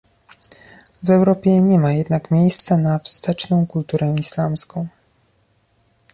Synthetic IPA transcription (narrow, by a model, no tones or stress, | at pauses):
vɛwɾɔpʲjɛɲɛmajɛd̪nakmʲjejst̪sanafst̪ɛt͡ʂnɔ̃w̃kult̪uɾɛ̃islamskɔ̃w̃